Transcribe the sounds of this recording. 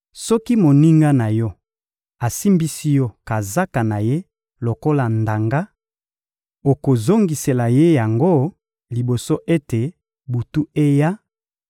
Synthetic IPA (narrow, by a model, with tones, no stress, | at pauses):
sɔ˦ki˦mo˨ni˦ŋɡa˦na˨jɔ˦ | a˨si˦mbi˦si˦jɔ˦ka˨za˦ka˨na˨je˦ | lo˨ko˦la˨nda˨ŋɡa˦ | o˨ko˨zo˦ŋɡi˨se˨la˨je˦ja˨ŋɡo˦ | li˨bo˨so˦ʔe˦te˨ | bu˨tu˦e˦ja˦